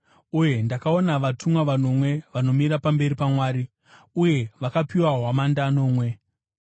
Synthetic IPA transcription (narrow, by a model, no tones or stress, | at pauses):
uje̞ndakaonaʋatumwaʋano̞mwe̞ʋano̞miɾapambe̞ɾipamwaːɾi | uje̞ʋakapiwaɦwamandano̞ːmwe̞